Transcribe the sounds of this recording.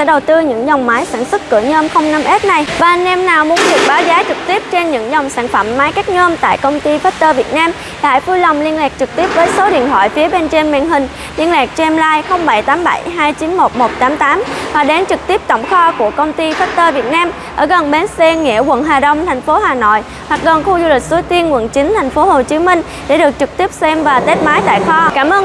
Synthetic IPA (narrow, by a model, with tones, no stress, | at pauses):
ɛ̰˧˥ɗə˨˩wt̪ɨ˧ɲɨ̰˧˥ŋzɔ˨˩wŋ͡mmaː˨˦jsa̰ː˧˩nswə˦˥t̚kɨ̰˧˩əɲəː˧mxə˧wŋ͡mna˧mʔe˦˥t̚na˨˩jvaː˨˩nɛ˧mnaː˨˩wmu˨˦ənɗɨ˨˩ək̚ɓaː˨˦wzaː˨˦t͡ɕɨ˨˩k̚t̪i˦˥əp̚t͡ɕe˧nɲɨ̰˧˥ŋza˨˩wŋ͡msaː˧˩nfə˧˩mːaː˨˦jkaː˦˥k̚ɲəː˧mt̪a̰ː˧˨jkə˧wŋ͡mt̪i˧faː˦˥t̚t̪əː˧vi˨˩ət̚naː˧m | ɗa̰ː˧˨jvu˧jla˨˩wŋ͡mli˧ənlaː˨˩k̚t͡ɕɨ˨˩k̚t̪i˦˥p̚vəː˨˦jso˨˦ɗḭ˧˨ənt̪wa̰ː˧˨jfi˨˦əɓe˧nt͡ɕe˧nma̰˧˨nɦï˨˩ŋ̟ | li˧ənlaː˨˩k̚t͡ɕɛ˧mlaː˧jxə˧wŋ͡mɓa˧˩jt̪aː˨˦mɓa̰˧˩jɦaː˧jt͡ɕi˨˦nmo˨˩t̚mo˨˩t̚t̪aː˨˦mt̪aː˨˦mhwa˨˩ɗe˨˦nt͡ɕɨ˨˩k̚t̪i˦˥əp̚t̪ə̰˧˨wŋ͡mxɔ˧ku˧˩əkə˧wŋ͡mt̪i˧faː˦˥t̚t̪əː˧vi˨˩ət̚naː˧mʔʔəː˧˩ɣə˨˩nɓe˨˦nsɛ˧ŋɛ̰˧˩əkwə̰˧˨nɦaː˨˩ɗə˧wŋ͡mt̪ʰɛ˨˩jŋ̟fo˨˦haː˨˩no̰˧˨j | hwa˨˩k̚ɣə˨˩nxu˧zu˧li˨˩k̚su˨˦jt̪i˧ənkwə̰˧˩nt͡ɕï˨˦ŋt̪ʰa˨˩jŋ̟fo˨˦ho˨˩t͡ɕi˨˦mï˧ŋ̟ | ɗḛ˧˩ɗɨ˨˩ək̚t͡ɕɨ˨˩k̚t̪i˦˥əp̚sɛ˧mvaː˨˩t̪e˦˥t̚maː˨˦jt̪a̰ː˧˨jxɔ˧kaː˧˩mʔəː˧